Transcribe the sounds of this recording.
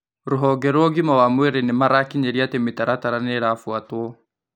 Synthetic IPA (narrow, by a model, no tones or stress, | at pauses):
ɾoɦɔɡɛɾwɔɣimawamweɾenemaɾakiɲeɾiatemetaɾataɾaneɾafwatwɔ